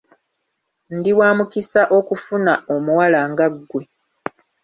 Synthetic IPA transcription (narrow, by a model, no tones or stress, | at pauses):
ndiwaːmukisaʔo̞kufunao̞muwalaːŋɡaɡːwe̞